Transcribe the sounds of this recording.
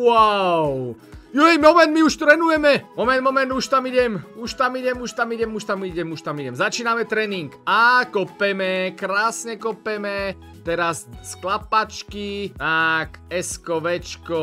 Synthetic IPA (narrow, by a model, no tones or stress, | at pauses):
waʊ | juɛjmɔmɛnd̪miuʃt̪ɾɛnujɛmɛmɔmɛnd̪mɔmɛnd̪uʃt̪amiɟɛmuʃt̪amiɟɛmuʃt̪amiɟɛmuʃt̪amiɟɛmuʃt̪amiɟɛmzat͡ʃiːnamɛt̪ɾɛːniŋkakɔpɛmɛkɾaːsɲɛkɔpɛmɛ | t̪ɛɾassklapat͡ʃkit̪akɛskɔʋɛt͡ʃkɔ